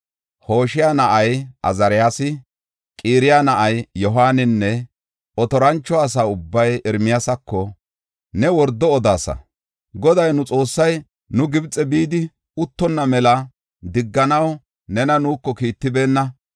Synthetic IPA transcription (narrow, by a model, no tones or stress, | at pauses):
ho̞ːʃɪjanɐʔɐjɐ̰zɐɾɪjaːsɪ | kʼiːɾɪjanɐʔɐjjɔɦaːnɪnːɛ | ʔɔt̪ɔɾɐnt͡ʃːɔɐs̬aːʊbːɐjɛɾmɪjasɐkːɔ | nɛwɔɾd̪ːɔːd̪aːsɐ̰ | ɡɔd̪ɐjnʊt͡sʼo̞ːsːɐj | nʊɡɪbt͡sʼːɛbiːd̪ɪ | ʊt̪ːɔnːɐmɛlɐ | d̪ɪɡːɐnɐw | nɛnɐnuːkːɔkiːt̪ːɪbe̞ːnːɐ